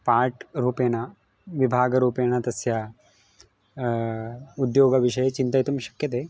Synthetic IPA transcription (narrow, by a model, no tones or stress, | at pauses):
paːɾʈɾuːpeːnɐ | ʋibʱaːɡɐɾuːpeːnɐt̪ɐsjɐ | ud̪joːɡɐʋiʂɐjɐt͡ʃint̪ɐjt̪umʃɐ̥kjɐt̪eː